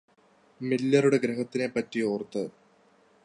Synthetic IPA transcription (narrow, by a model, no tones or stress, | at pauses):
milːɐruɽe̞ɡɾeɦɐt̪ːine̞pɐtːio̞ːrt̪ːɨ